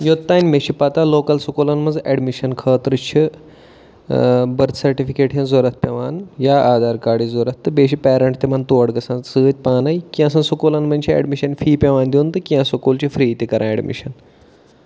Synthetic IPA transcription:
joːt̪ːaːnʲmeʃʰipat̪aːloːkɐlsukoːlɐnmɐzɛɖmiʃɐnkʰəːt̪ɾɨt͡ʃʰi | bɐɾt̪ʰsɐɾʈifikeːʈjẽzoɾɐt̪̚ʰpʲeʋaːnjaːaːd̪aːɾkaːɽizoɾɐt̪ʰːɨbeːʃ̬ipɛːɾɐɳʈt̪emɐnt̪uɐɽɡɐsãːsɨːt̪̚ʲpaːnɐjkĩɐsãsukoːlɐnmɐnʲt͡ʃʰiɛ̰ɖmiʃɐnfiːpʲeʋaːnd̪joːnt̪ɨkĩãsokuːlt͡ʃʰifɾiːt̪ekɐɾʔãːeɖmḭʃɐn

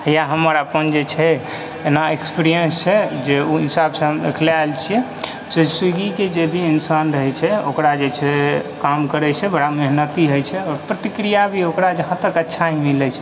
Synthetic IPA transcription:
əjaɦəməɾəpənd͡ʒet͡ʃʰɛ | enaekspiɾijənst͡ʃʰɛd͡ʒeuisabsə̃ɦmd̪ḛkʰleaelt͡ʃʰijɛ | səsiɡiked͡ʒebʱiinsanɾəɦɛt͡ʃʰɛo̰kɾad͡ʒet͡ʃʰɛkamkəɾɛt͡ʃʰɛbəɽameɦnət̪iɦəjt͡ʃʰɛɔːɾpɾət̪ikɾijabʱiokɾad͡ʒəɦãt̪əkətːʃʰaɦĩmilɛt͡ʃʰɛ̥

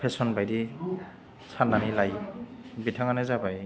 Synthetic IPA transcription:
pʰesɔnbajdi | sʰanːanilajbitʰaŋanazabaj

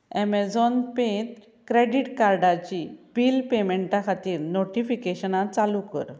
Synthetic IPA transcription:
ɛmɛd͡zɔnpet̪ | kɾeɖiʈkaɾɖat͡ɕipilpemeɳʈakʰat̪iːɾnoʈifikeɕənat͡salukə̰ɾ

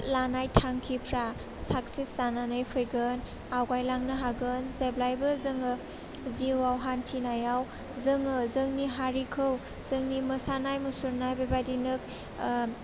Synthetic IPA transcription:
lanajtʰaŋkʰipʰɾa | sak̚sisananɯjpʰɯjɡɯn | awɡajlaŋnɯɦaɡɯnzajblajbɯzɯŋɯ | ziwawɦantʰinajaw | zɯŋɯzɯŋniɦaɾikʰɯw | z̥ɯŋniməsanajmusuɾnajbebajdinɯk̚

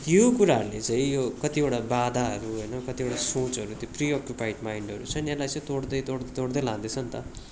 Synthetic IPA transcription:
jokuɾaɾlet͡saĩjokʌt̪ioɽabad̪ʱaɦʌɾuɦʌjnʌkʌt̪ioɽasoːt͡sɦʌɾut̪jopɾijokjupajʈmaiɳɖʌɾṵt͡sʰʌnjalajt͡sʌ̃ĩt̪oɽd̪ʌjt̪oɽd̪t̪oɽd̪ʌjlãd̪it͡sʰʌnt̪ʌ̰

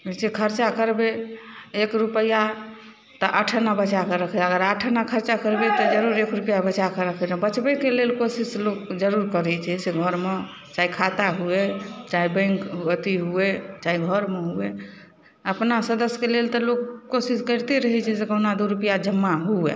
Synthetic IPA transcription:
sekʰəɾt͡ʃakəɾbeekɾupəja | t̪ɔʔəʈʰənabət͡ʃakeɾəkʰəəɡəɾəʈʰənakʰəɾt͡ʃakəɾbet̪ɔd͡ʒəɾuɾekɾupijabət͡ʃakeɾəkʰnbət͡ʃbəkelelkosislokd͡ʒəɾuɾkəɾɛt͡ʃʰɛseɡʱəɾme | t͡ʃaikʰat̪aɦuet͡ʃaibə̃ŋkət̪iɦuet͡ʃaiɡʱəɾmeɦue | əpnasəd̪əskelelt̪ɔlokːosiskəɪɾt̪eɾəɦɛt͡ʃʰɛsekənad̪uɾupijad͡ʒəmːaɦuḛ

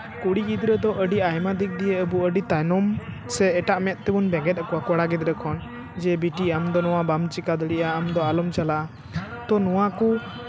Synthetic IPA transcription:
kuɽiɡid̪ɾɛd̪ɔʔəɖiajmad̪ik̚d̪ijɛəbuəɖit̪anɔm | sɛːʈaʔmɛt̪̚ˀt̪ɛbunbɛ̃ɡɛt̪̚akɔwakɔɽaɡɛd̪ɾɛkʰɔn | d͡ʒɛbiʈiamd̪ɔnɔwabamt͡ʃikad̪ɔɽiʔaːmd̪ɔalɔmt͡ʃalaʔa | t̪ɔnɔwaku

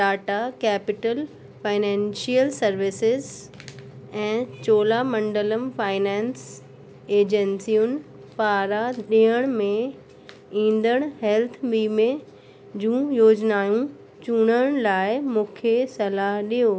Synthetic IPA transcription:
ʈaːʈakɛːpɪʈəl | faːɪnɛ̃ːnʃiəlsɐɾʋɪsɪz | ɛ̃ːt͡ɕoːlamɐ̃ɳɖələmfaːɪnɛ̃ːns | eːd͡ʑənsijʊnɪ̆ | paːɾaɗiɦəɽ̃mẽ | ĩːnd̪əɽ̃ɦɛlt̪ʰɓiːmẽ | d͡ʑũːjoːd͡ʑnaːjũ | t͡ɕuɽ̃əɽ̃laːɪmũːkʰesɐlaɦɗijoː

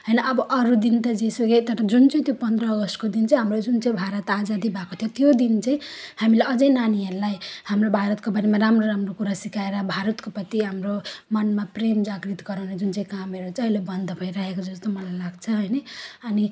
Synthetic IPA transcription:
ɦʌjnʌʔʌbʌʔʌɾud̪int̪ʌd͡zesoɡet̪ʌɾʌd͡zunt͡saĩt̪jopʌnd̪rʌːɡʌst̪kod̪int͡saĩɦamod͡zunt͡saĩbʱaɾʌt̪ad͡zad̪ibʱakot̪ʰjot̪jod̪int͡sãĩhamileʔʌd͡zʌjnanieɾlajhamɾobʱaɾʌt̪̚kobʌɾemaɾamroɾamrokuɾasikaeɾʌbʱaɾʌt̪kopʌt̪iɦamɾomʌnmapremd͡zaɡɾit̪ɡʌɾawned͡zunt͡saĩkameɾot͡sʌilebʌnd̪ʱʌbʱʌjɾaɦekod͡zʌst̪omʌlajlaɡt͡sʰʌɦʌjnʌʌni

